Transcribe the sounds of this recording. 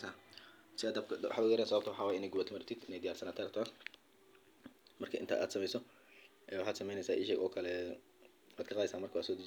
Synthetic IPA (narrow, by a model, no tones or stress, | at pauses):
aːsɪaːd̪ɐbkʰw̰ħaːd̪ʊɣʊjɛɾɛːnsɐβɐbt̪ʰʊwɑħɑːwaːjɪnɛːjɡʊβɐːt̪ʰɪmɐɾɪt̪ʰid̪ɪnɛjd̪ɪjaːrsɐnaːnt̪ʰɛːɾɐt̪ʰːɐn | mɐrkʰɐʔɪnt̪ʰa̰ːʔa̰ːd̪sɐmɛjsɔ | ʔɛːwɑħaːd̪sɐmɛjnɛjsaːʔɪʃɛːɡʔɔːkʰɐlɛ | waːd̪kʰɐqɑːðɪsaːnmɐrkʰwaːsɔːd̪ɛ